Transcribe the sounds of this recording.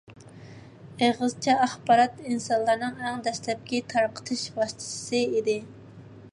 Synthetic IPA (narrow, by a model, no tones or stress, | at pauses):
eʁɨzt͡ʃʰɛɑχbɑɾɑt̪insɑnlˠɑɾnɨŋɛŋd̪ɛʃlɛp̚kʲɛt̪ʰɑɾqʰə̥t̪ʰɨʃbɑst̪ʰɨ̥sɨid̪ɪ